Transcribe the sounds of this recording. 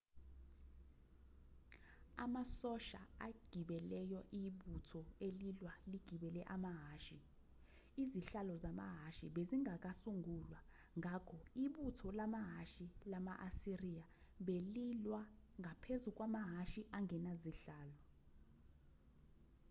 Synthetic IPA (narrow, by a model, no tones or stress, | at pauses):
a̰masɔʃa̰aɡ̥ʱiɓɛlɛjɔʔiɓutʰɔelilwaliɡ̥ʱiɓɛlɛʔamaɦaːʃi | iziɬalɔzama̰ɦaʃiɓeziŋʱak̬ʼasuŋʱulwa | ŋʱakʰɔiɓutʰɔlamaɦaʃilamaʔasirija | ɓelilwa | ŋɡʱapʰezuk̬ʼwamaɦaʃiʔaŋʱɛnaziɬaːlɔ